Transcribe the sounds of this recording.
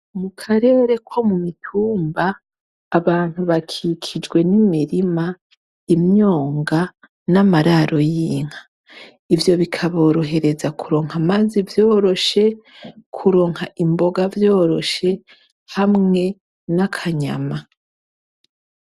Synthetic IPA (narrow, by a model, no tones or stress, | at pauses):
mukʰaɾe̞ːɾe̞kʰo̞mumitʰuːmbaː | βaːn̥huβakʰikʰid͡ʒɡwe̞nimiɾima | imɲo̞ːŋɡa | namaɾaɾʔo̞jiːŋ̥hḁ | ivjo̞βikʰaβo̞ːɾo̞ɦe̞ɾe̞zakʰuɾo̞ːŋhamazivjo̞ːɾo̞ʃe̞ | kʰuɾo̞ːŋ̥haʔimbo̞ɡavjo̞ːɾo̞ʃe̞ | hamŋe̞ | nakʰaɲa̰ma